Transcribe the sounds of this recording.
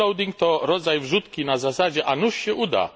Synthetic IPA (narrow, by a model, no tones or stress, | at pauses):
ɔwd̪ʲiŋk̚t̪ɔɾɔd̪zajvʐut̪kʲinazasad͡ʑɛʔanuʂɕɛʔud̪a̰